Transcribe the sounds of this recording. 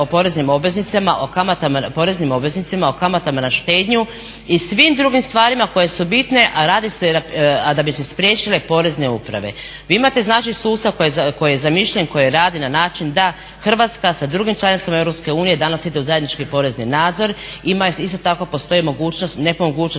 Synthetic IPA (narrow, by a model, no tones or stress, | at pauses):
opo̞ɾe̞znimo̞bʋe̞znit̪samaʔokamat̪amapo̞ɾe̞znimo̞bʋe̞znit̪simao̞kamat̪amanaʃt̪e̞ːd̪ɲu | isʋimd̪ɾuɡimst̪ʋaːɾimako̞je̞subit̪ne̞ʔaɾaːd̪isead̪abise̞spɾjet͡ʃile̞po̞ːɾe̞zne̞upɾa̰ʋe̞̰ | ʋiːimat̪e̞znaːt͡ʃisuːst̪akojeko̞jijezamiʃʎenko̞jeɾaːd̪inanaːt͡ʃind̪a | xr̩ʋat̪skasad̪ɾuɡimt͡ʃlanit̪samae̞vɾopske̞uːnije̞d̪anasid̪e̞uzajed̪nit͡ʃkipo̞ɾe̞zninaːd̪zo̞ɾimaist̪o̞t̪ako̞po̞st̪o̞imo̞ɡuːt͡ɕno̞st̪ne̞pomoɡuːt͡ʃo